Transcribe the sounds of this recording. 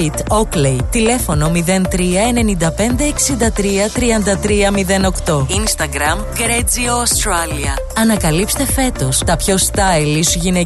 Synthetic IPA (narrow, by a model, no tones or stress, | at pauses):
it̪oklejt̪ile̞fo̞no̞miðe̞nt̪ɾiɐene̞nind̪ɐpe̞nd̪e̞ːksind̪ɐt̪ɾiɐt̪ɾiɐnd̪ɐt̪ɾiɐmiðe̞no̞kt̪o̞inst̪ɐɡɾɐmɡɾed͡zioːst̪ɾɐliɐɐnɐkɐlipst̪e̞fe̞t̪o̞st̪ɐpço̞st̪ɐjlisʝine̞